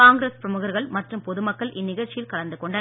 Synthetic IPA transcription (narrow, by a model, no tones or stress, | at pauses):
aːŋɡɾeːspɾɐmʊɣɐɾɣɐɭmɐʈrɯmpɔðɯmɐkːɐɭʔɪnːɪɣɐɾt͡ʃɪjɪlkɐlɐnd̪ɯkɔɳɖɐn